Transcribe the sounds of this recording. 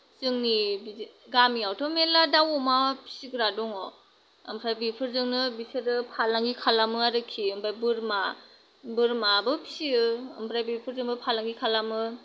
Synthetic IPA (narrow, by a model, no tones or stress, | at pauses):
z̥ɯŋnibiɡamiawtʰɔmeladawɔmapʰi̥siɡɯɾadɔŋɔ | ɯmpʰɾajbipʰɯɾzɯŋnɯbisɯɾɯpʰalaŋɡikʰalamɯaɾɯkʰiɯmbajbɯɾma | bɯɾmabɯpʰi̥siɯɯmbɾajbipʰɯɾzɯŋbɯpʰalaŋɡikʰalamɯ